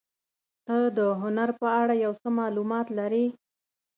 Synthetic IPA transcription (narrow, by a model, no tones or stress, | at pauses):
t̪əd̪əɦʊnaɾpəaɽajawsəmɑlumɑt̪laɾi